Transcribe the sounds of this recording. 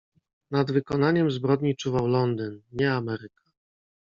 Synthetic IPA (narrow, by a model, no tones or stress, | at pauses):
nad̪vɘkɔnaɲɛmzbɾɔd̪ɲit͡ʂuvawlɔnd̪ɘnɲɛamɛɾɘkḁ